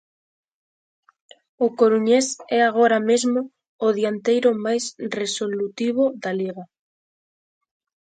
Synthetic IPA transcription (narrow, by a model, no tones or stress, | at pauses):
ʊkoɾuɲesɛaɣ̞oɾamezmʊː | ðjant̪ejɾʊmajsresolut̪iβ̞oðaliɣa